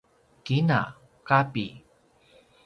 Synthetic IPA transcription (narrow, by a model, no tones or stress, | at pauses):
kina̰ | kapi